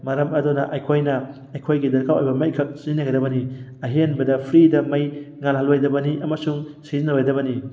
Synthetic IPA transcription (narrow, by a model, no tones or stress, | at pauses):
mɐɾɐmɐdonɐʔɐjkʰojnɐ | ɐjkʰojɡidɐɾkʰawojbɐmɐjkʰɐk̚sinɐɡɐjdɐbɐniɐɦenbɐdɐpʰɾidɐmɐjŋalɦɐlojdɐbɐniʔɐmɐsuŋsizinːɐlojdɐbɐni